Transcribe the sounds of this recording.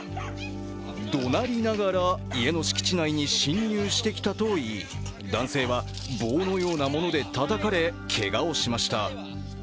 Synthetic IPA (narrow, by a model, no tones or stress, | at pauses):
d̪o̞naɾʲinaɡaɾaie̞no̞ɕi̥kʲi̥t͡ɕinaiɲ̟iɕĩɲːɨːɕi̥t̪e̞kʲi̥t̪at̪o̞ːi | d̪ãɰ̃se̞ːβa | bo̞ːno̞jo̞ːnamo̞no̞d̪e̞t̪at̪akaɾe̞kʰe̞ɡao̞ɕimaɕi̥t̪a